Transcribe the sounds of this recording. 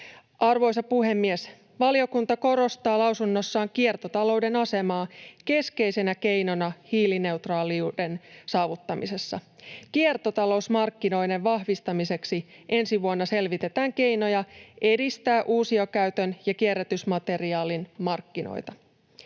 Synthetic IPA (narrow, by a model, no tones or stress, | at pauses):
ʔɑrʋo̞jsɑpuɦe̞mːies | ʋɑlio̞kunt̪ɑko̞ɾo̞st̪ɑːlɑwsunːo̞sːɑːŋkiert̪o̞t̪ɑlo̞wde̞nɑse̞mɑːke̞ske̞jse̞næke̞jno̞nɑhiːline̞ut̪rɑːliude̞nsɑːʋut̪ːɑmise̞sːɑ̰kiert̪o̞t̪ɑlo̞usmɑrkːino̞jde̞ʋʋɑhʋist̪ɑmise̞ksiʔe̞nsiʋuonːɑse̞lʋit̪e̞t̪æːŋke̞jno̞jɑʔe̞dist̪æːʔuːsiokæyt̪ønjɑkierːet̪ysmɑt̪e̞riɑːlinmɑrkːino̰jt̪ɑ